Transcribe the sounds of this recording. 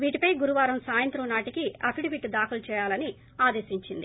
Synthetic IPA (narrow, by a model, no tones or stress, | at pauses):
ʋiːʈipɐjɡuɾuʋaːɾɐmsaːjɐnt̪ɾɐnaːʈikiɐpʰiɽiʋiʈd̪aːkulut͡ʃɛːjaːlɐni | aːd̪eːsiɲt͡ʃind̪i